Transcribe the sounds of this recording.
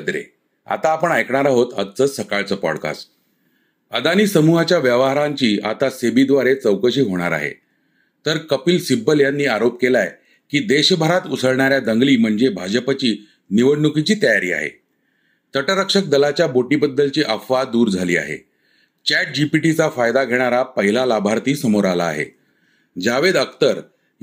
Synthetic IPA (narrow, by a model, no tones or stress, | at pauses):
d̪ɾḛ | a̰t̪aːpəɳajkɳaɾaɦot̪ət͡səsəkaɭt͡səːpɔ̰ɽka̰s | əd̪aniːsəmuɦat͡ɕjaʋjəʋɦaɾaɲt͡ɕiːʔa̰t̪asebid̪ʋaɾet͡səwkəɕiːɦoɽ̃a̰ɾa̰ɦḛ | t̪əɾkəpiːlsibəljanːiːaɾop̚kelaj | kiːd̪eɕbʱəɾat̪usʰəɭɳaɾjad̪əŋɡliːm̤əɳd͡zebʱad͡ʑəpat͡ɕiː | niʋəɽːukit͡ɕiːt̪əjaɾiːa̰ɦḛ | t̪əʈəɾəkʂək̚d̪əlat͡ɕjaboʈiːbəd̪ːəlt͡ɕiːʔəfʋad̪uːɾd͡zʱaliːa̰ɦḛ | t͡ɕæʈ̚d͡ʑipiʈit͡safajd̪aɡʱeɽ̃aɾapəɦilalabʱaɾt̪iːsəmoɾala̰ːɦḛ | d͡ʑaʋed̪əkt̪əɾ